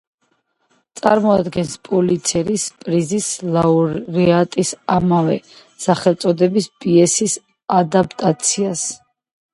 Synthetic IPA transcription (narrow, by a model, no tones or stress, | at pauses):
t̪sʼaɾmɔad̪ɡɛnspʼɔlit̪sʰɛɾispʼɾizislauɾɾiat̪ʼisamavɛ̰ | saχɛlˠt̪sʼɔd̪ɛbispʼiɛsis | ad̪ap̚ʰʼt̪ʼat̪sʰias